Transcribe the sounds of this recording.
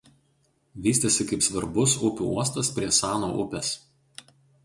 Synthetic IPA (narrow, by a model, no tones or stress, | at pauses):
ʋʲiːsʲt̪ʲesʲɪkɐɪpsʋɐɾbʊsʊpʲṵuɔst̪ɐspʲɾʲiɛsɑːnoʔʊ̰pʲɛs